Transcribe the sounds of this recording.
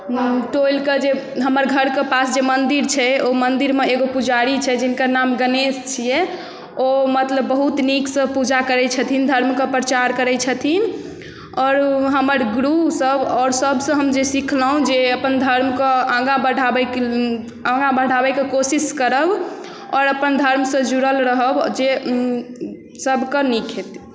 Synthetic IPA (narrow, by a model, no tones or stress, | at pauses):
ʈojlkəd͡ʒeɦəməɾɡʱəɾkepasd͡ʒemənd̪iɾt͡ʃʰɛomənd̪iɾmeeɡopud͡ʒaɾit͡ʃʰɛd͡ʒinkəɾnamɡənest͡ʃʰijɛ | omət̪ləbːəɦut̪niksə̃pud͡ʒakəɾɛt͡ʃʰət̪ʰind̪ʱəɾmkəpɾət͡ʃaɾkəɾɛt͡ʃʰət̪ʰin | ɔːɾɦəməɾɡɾusəbɔːɾsəbʱsə̃ɦəmd͡ʒesikʰləɦũd͡ʒeəpənd̪ʱəɾmkəãɡabəɽ̤ʱabɛ | ãŋɡabəɽʱabɛkekosiskəɾəb | ɔːɾəpənd̪ʱəɾmsə̃d͡ʒuɾəlɾəɦəbd͡ʒe | səbʱkənikʰɦet̪